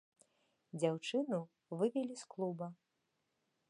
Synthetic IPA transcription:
d͡zʲawt͡ʂɨnu | vɨvʲɛlʲisklˠubɐ

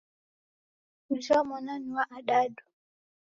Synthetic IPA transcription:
ut͡ʃɔmɔnaniwaʔaɗaɗu

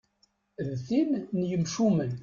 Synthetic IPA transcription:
ðθinnjəmʃumən

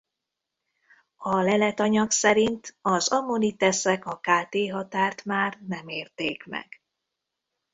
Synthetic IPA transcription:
ɒlɛlɛt̪ɒɲɒksɛɾint̪ɒzɒmonit̪ɛsɛkɒkaːt̪eːɦɒt̪aːrt̪maːrnɛmeːrt̪eːkmɛ̰ɡ̥

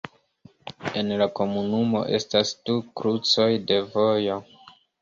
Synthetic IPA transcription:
e̞nlako̞munumo̞̰ʔe̞̰stasd̥ukɾut͡so̞jde̞vo̞jo̞

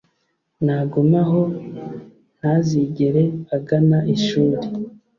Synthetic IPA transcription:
naɡomaɦo̞ | n̥aziɟeɾe̞aɡanaʔiʃuːɾe

